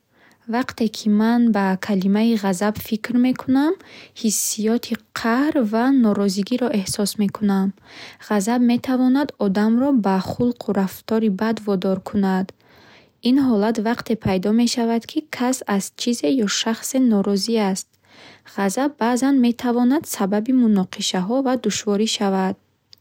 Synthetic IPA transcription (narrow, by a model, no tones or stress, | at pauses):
vaqt̪ʰe̞kʰimanbakʰalimaiʁazabfikɾme̞kʰunamhisːijɔt̪ʰiqʰahɾvanɔɾɔziɡiɾɔʔe̞hsɔsme̞kʰunamʁazabme̞t̪ʰavɔnad̪ɔd̪amɾɔbaχulqʰuɾaft̪ʰɔɾibad̪vɔd̪ɔɾkʰunad̪ | inɦɔlat̪vaqt̪ʰe̞pʰajd̪ɔme̞ʃavad̪kʰikʰasazt͡ʃʰize̞jɔʃaχse̞nɔɾɔziast̪̚ | ʁazabːazanme̞t̪ʰavɔnad̪̥sababimunɔqʰiʃaɦɔvad̪uʃvɔɾiʃavad̪̥̚